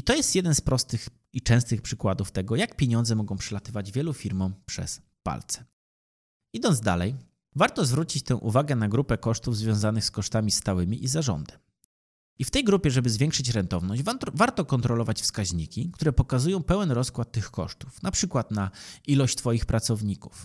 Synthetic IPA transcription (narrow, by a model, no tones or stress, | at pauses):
it̪ɔjɛst̪jɛd̪ɛnspɾɔst̪ɘx | it͡ʂɛ̃w̃st̪ɘxpʂɘkwad̪uft̪ɛɡɔjak̚pʲjeɲɔ̃nd̪zɛmɔɡɔ̃w̃pʂɛlat̪ɘvad͡ʑvʲjɛlufʲiɾmɔ̃pʂɛ̰s | pa̰lt̪sɛ̥ | id̪ɔnd̪d̪a̰lɛ̰j | vaɾt̪ɔzvɾut͡ɕit͡ɕt̪ɛ̃w̃ʔuvaɡɛnaɡɾupɛkɔʂt̪uvzvʲjɔ̃w̃zanɘxskɔʂt̪amʲist̪awɘmʲiʔizaʐɔ̰nd̪ɛm | ift̪ɛjɡɾupʲjɛʐɛbɘzvʲɛŋkʂɘt͡ɕɾɛnt̪ɔvnɔɕvaɾt̪ɔkɔnt̪ɾɔlɔvat͡ɕfskaʑɲikʲikt̪uɾɛpɔkazujɔ̃w̃pɛwɛnɾɔskwat̪ːɘxkɔ̰ʂt̪u̥fnapʂɘkwat̪nailɔɕt͡ɕt̪fɔjixpɾat̪sɔvɲiku̥f